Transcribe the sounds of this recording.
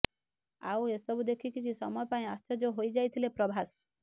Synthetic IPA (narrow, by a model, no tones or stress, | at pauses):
a̰wesɔbud̪ekʰikikʰisɔ̰mɔjɔpaĩast͡ʃɔd͡ʒoɦojd͡ʒajt̪ʰilepɾɔbʱas